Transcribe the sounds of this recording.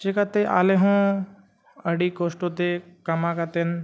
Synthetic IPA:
t͡ʃekat̪eʔa̰ːleɦõ | ɐɽikoːsʈot̪ekɐmãkat̪en

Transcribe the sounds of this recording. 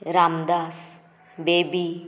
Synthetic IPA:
ɾamd̪as | beːbi

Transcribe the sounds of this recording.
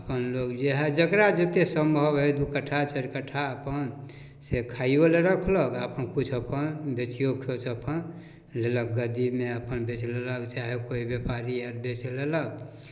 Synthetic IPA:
əpənlokd͡ʒeɦẽd͡ʒəkɾad͡ʒət̪esəmbʱəbɦed̪ukəʈʰat͡ʃəɾkəʈʰaəpən | sekʰaiboleɾəkʰləkapənkut͡ʃʰəpənbet͡ʃijokʰot͡ʃʰəpʰən | lelək̚ɡəd̪imeəpənbet͡ʃleləkt͡ʃaɦekoibjepaɾiəɾbet͡ʃlelək

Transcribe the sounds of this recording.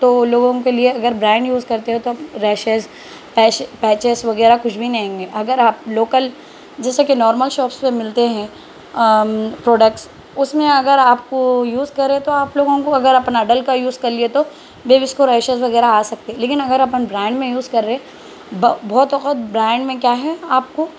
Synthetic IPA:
t̪oloːɡõkelieɐɡəɾbɾɛ̃ːɳɖjuːzkɐɾt̪eɦɛ̃t̪oɾɛːʃez | pɛːt͡ʃpɛːt͡ʃesʋɐɡɛːɾakʊt͡ʃʰbʱinɐɦẽːŋɡeːʔɐɡəɾaːp̚loːkəl | d͡ʒɛːsekenɔːɾməlʃɔːpspemɪlt̪eɦɛ̃ | pɾɔːɖək̚ʈs | ʊsmẽɐɡəɾaːpkojuːzkɐɾːet̪oaːploːɡõkoɐɡəɾɐpnaɐɖəlkajuːzkɐɾliet̪o | beːʋɪskoɾɛːʃesʋɐɣɛːɾaaːsɐk̚t̪eɦɛleːkɪnɐɡəɾɐpnbɾɛ̃ːɳɖmẽjuːzkɐɾːe | bbʱɔːt̪ɔqət̪̚bɾɛ̃ːɳɖmẽkjaːɦɛaːp̚ko

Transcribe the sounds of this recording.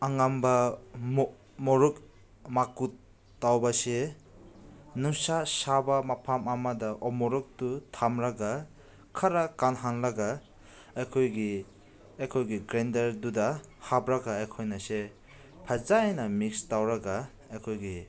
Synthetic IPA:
aŋamba | mɔɾuk | makut̚ | tːawbase | nuŋsasabamapʰamamadaʔɔmɔɾuk̚tutʰamɾaɡa | kʰaɾakanɦanlaɡa | ajkʰɔjɡi | ajkʰɔjɡiɡɾendaɾdudahabɾaɡaajkʰɔjnase | pʰazajnamikstawɾaɡa | ajkʰɔjɡi

